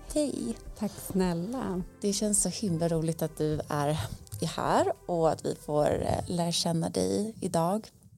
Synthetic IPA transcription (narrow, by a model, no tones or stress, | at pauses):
hɛjt̪ʰakːsnɛlːa̰d̪̥ɛɕɛnsɔhɪmlaɾuːlɪɡ̚t̪at̪̚d̪ɵæɾɪhæ̰ːɾɔat̪vɪ̰foːɾlæːɾaɕɛnːad̪ɛ̰jɪd̪ɑːɡ